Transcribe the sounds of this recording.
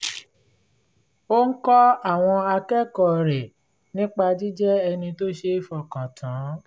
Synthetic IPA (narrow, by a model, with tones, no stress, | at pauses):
o˦ŋ̩˦kɔ˦a˦˨w̃ɔ̃˧a˧kɛ˦kɔ˨ɾɛ˨ | nĩ˦k͡pa˧d͡ʒi˦d͡ʒɛ˦ɛ˧nĩ˧to˦ʃe˦fɔ˨kã˨tʰã˨˦